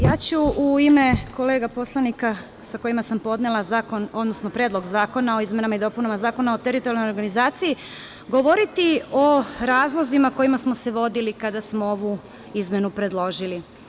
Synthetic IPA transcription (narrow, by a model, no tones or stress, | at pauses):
jaːt͡ɕuuime̞kʰo̞le̞ːɡapo̞slˠanika | sako̞imasampo̞d̪nelˠazaːko̞no̞d̪nosno̞pɾe̞ːd̪lo̞ɡzaːko̞nao̞izmenamaid̪o̞punamazaːko̞naot̪eɾit̪oɾjalno̞joɾɡanizaːt̪siji | ɡo̞ʋo̞ɾit̪io̞ɾaːzlˠo̞zimako̞jimasmose̞ʋo̞d̪ilikad̪asmooʋu | izmje̞nupɾe̞d̪lˠo̞ʒili